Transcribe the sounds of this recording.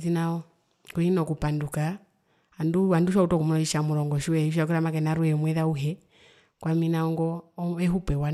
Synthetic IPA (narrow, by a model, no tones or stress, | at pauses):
θinaɔ | kuhinɔkupanduka | handuanduʃautɔkumulɔiʃamuɾɔŋɡɔʃuwɛiʃ̬ak̬uɾamakɛnaɾuɛmwɛðauɦɛ | kwaminaɔŋɡɔɛɦupɛwa